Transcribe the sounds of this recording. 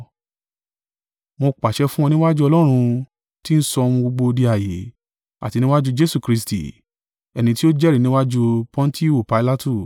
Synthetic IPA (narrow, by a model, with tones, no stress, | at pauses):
mõ˧k͡pa˨ʃɛ˧fũ˦ɔ̃˧nĩ˦wa˦d͡ʒu˦ɔ˧lɔ˦ɾ̃ũ˧ | ti˦n̩˦sɔ˧ũ˧ɡ͡bo˧ɡ͡bo˧di˧a˨je˨˦ | a̰˨ti˨˧nĩ˦wa˦d͡ʒu˦d͡ʒe˦su˦˨kɾi˧stḭ˨ | ɛ˧nĩ˧ti˦o˦d͡ʒɛ˦˨ɾi˨˧nĩ˦wa˦d͡ʒu˦pɔ̃˦n̩˦tʰi˦o˦˨pa˨˦la˦tu˦˨